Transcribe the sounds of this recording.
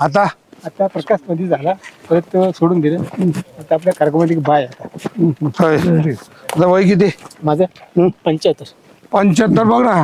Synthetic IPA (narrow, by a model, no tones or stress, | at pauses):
at̪̬aat̪japɾəkasʈməd̪ʱːjed͡zalapəɾət̪soɽuːnd̪iləaɾt̪əap̬ljakaɾɡəmaʈ̬ikbajat̪ahəjʈi | at̪aʋəjk̬it̪̬emad͡zəpəɲt͡ɕat̪ːəɾ | pəɲt͡ɕat̪ːəɾbəɡɾã